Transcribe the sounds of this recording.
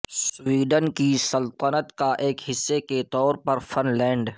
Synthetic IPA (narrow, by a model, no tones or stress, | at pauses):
swiːɖənkisɐlt̪ənət̪kaʔeːkɦɪsːeket̪ɔːɾpɐɾfʰɐnlɛ̃ːɳɖ